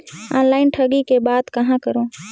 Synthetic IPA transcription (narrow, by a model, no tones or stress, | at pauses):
ã̰ːnlaːɪnʈʰəɡikebaːd̪kəɦãkəɾõː